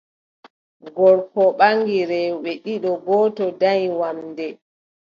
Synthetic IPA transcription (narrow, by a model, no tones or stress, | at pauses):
ɡɔɾpɔɓaŋɡiɾɛɓɛɗiɗɔɡɔːtɔdajwamdɛ